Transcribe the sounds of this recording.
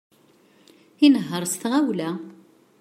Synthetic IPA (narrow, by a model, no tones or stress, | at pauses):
inəɦːəɾˤst̪ʁawlæ